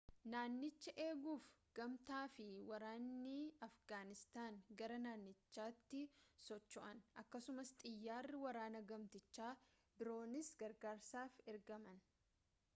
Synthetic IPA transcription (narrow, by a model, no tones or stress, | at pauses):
naːnːɪt͡ʃːɐʔe̞ːɡuːfɡ̥ɐmt̪aːfɪwɐɾaːnːɪɐfɡaːnɪst̪aːŋɡɐɾɐnaːnːɪt͡ʃːaːt̪ːɪsɔt͡ʃːɔʔɐnʔɐkːɐsʊmɐst̪ʼɪjːaːrːɪwɐɾaːnɐɡɐmt̪ɪt͡ʃːaː | bɪɾo̞ːnɪsɡɐɾɡaːɾsaːfɛɾɡɐmɐn